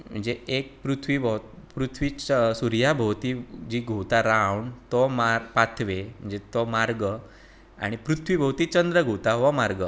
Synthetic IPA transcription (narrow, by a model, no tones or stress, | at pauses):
m̤ə̰ɳd͡zeek̚pɾut̪ʰʋibʱəwpɾut̪ʰʋiːt͡ɕsuɾjabʱəwt̪iːd͡ʑiːɡʱot̪aɾawɳt̪ɔmaɾpat̪ʰʋem̤ə̃nd͡zet̪ɔmaɾɡə | a̰ɽ̃ipɾut̪ʰʋibʱəwt̪iːt͡ɕənd̪ɾəɡʱot̪aʋɔmaɾɡə